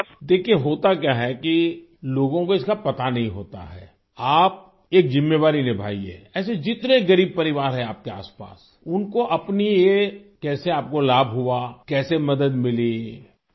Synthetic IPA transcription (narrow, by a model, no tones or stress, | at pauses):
d̪eːkʰieɦoːt̪ak̬jaːɦɛki | loːɡõkoɪskapɐt̪anɐɦĩɦo̰ːt̪a̰ɦɛ̰ː | aːp̚ | eːkzɪmːeːʋaːɾinebʱa̰ːiɦɛ̰ːɛːs̬ed͡ʒɪt̪nẽɡɐɾiːb̚pɐɾɪʋaːɾɦɛ̃aːp̚kea̰ːspa̰ːs | ʊnkoʔɐpniekɛːseaːp̚kolaːbʱɦʊakɛːsemɐd̪əd̪mɪli